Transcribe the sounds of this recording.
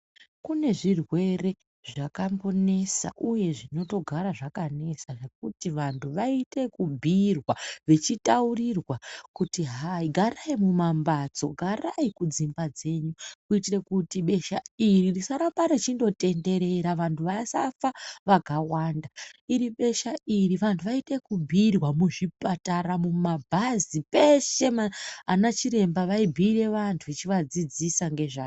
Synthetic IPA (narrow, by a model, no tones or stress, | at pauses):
kune̞ʐirwe̞re̞ | ʐakambone̞sa̰ʔuje̞ʐino̞to̞ɡʱaɾaʐakane̞saʐe̞k̚utiʋantʰuʋaite̞kubʱirwaʋe̞t͡ʃitaurirwakutiɦaiɡʱaraimumambat͡so̞ɡʱaraikud͡zimbad͡ze̞ɲukuitire̞kutiɓe̞ʃairirisaɾapaɾet͡ʃindo̞te̞nde̞ɾe̞ɾaʋantʰuʋasafaʋakawaːndaiɾiɓe̞ʃairiʋantʰuʋaite̞kubʱirwamuʐipataɾamumabʱazipe̞ʃe̞maanat͡ʃiɾe̞mbaʋaibʱire̞ʋantʰuit͡ʃiʋad͡zid͡zisaŋɡe̞ʐaː